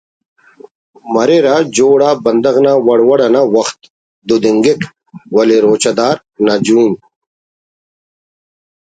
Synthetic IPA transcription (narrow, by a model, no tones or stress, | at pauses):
mɐɾeɾaːd͡ʑoːɽaːbɐnd̪ɐɣnawɐɽwɐɽɐnawɐxt̪ | d̪ud̪iŋɡik | wɐleɾoːt͡ɕad̪aːɾ | nad͡ʑuːn